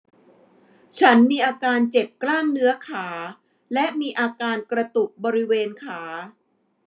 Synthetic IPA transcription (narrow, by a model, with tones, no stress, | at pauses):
t͡ɕʰa˦˥nmiː˧ʔaː˧kaː˧nt͡ɕe˨˩p̚klaː˥˩ŋnɯ˦˥ɐkʰaː˩˦ | lɛ˦˥ʔmiː˧ʔaː˧kaː˧nkɾa˧t̪u˨˩k̚bɔː˧ɾi˦˥weː˧nkʰaː˩˦